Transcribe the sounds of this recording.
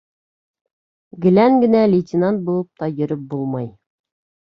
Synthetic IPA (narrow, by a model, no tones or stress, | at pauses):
ɡɘ̆læŋɡɘ̆nælʲɪtʲɪnant̪̚bulˠɤp̚t̪ɑjɵ̆ɾɘp̚bulˠmɑj